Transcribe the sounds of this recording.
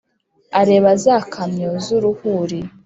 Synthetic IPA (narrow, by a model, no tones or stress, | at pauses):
aɾe̞ːβazakʰamɲozuɾuhuɾi